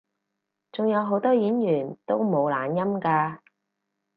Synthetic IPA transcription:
t͡sʊ˨ŋjɐ˨˧wɦo˨˥wt̪ɔː˥jiː˨˥njyː˨˩nt̪o˥wmo˨˧wlaː˨njɐ˥mkaː˧

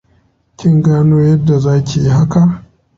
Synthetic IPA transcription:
kʲɪ˦ŋɡaː˦noː˦jɐ˦dːa˨zaː˦kʲe˨ji˦ha˦ka˨ʔ

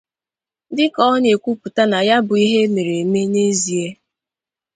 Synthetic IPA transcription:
dɪ˦kɔ˦ɲe˨kʷu˦pu˨ta˦na˨ja˦bʊ˨i˦ɦe˦me˨ɾe˨me˦ne˦zi˨e˦

